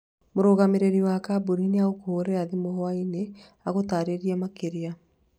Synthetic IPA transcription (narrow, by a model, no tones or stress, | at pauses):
moɾoɣameɾeɾiwakabuɾineaɣokooɾeaðimoɦɔaine | aɣotaːɾeɾiɛmakeɾea